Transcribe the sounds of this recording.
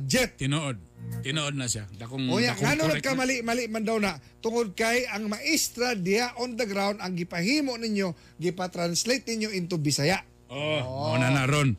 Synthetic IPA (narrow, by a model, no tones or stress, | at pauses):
d͡ʒɛt̪̚ɪnoʔod̪̚t̪ɪnoʔod̪̚nasjad̪akoŋoɲaʔŋanʊnakamalɪʔmalɪʔmand̪awnaʔt̪ʊŋod̪̚kajaŋmaʔɪst̪ɾad̪iaʔond̪əɡɾawnd̪aŋɡɪpahiːmoʔnɪɲjo | ɡɪpat̪ɾanslejt̪̚nɪɲjoɪnt̪ʊbɪsajaʔ | oonanaɾon